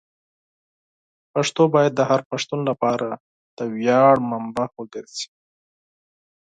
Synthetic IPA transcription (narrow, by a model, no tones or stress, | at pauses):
paʂt̪obɑjad̪̚ːəhaɾpaʂt̪unlapɑɾa | d̪̥əwjɑɽmambawəɡəɾsi̥